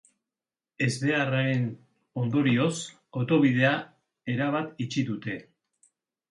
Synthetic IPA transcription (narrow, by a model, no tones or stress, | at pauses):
e̞zðe̞araɾe̞n | o̞nd̪o̞ɾio̞s | o̞t̪o̞βið̞e̞a | e̞ɾaβ̞at̪it͡ʃiðut̪e̞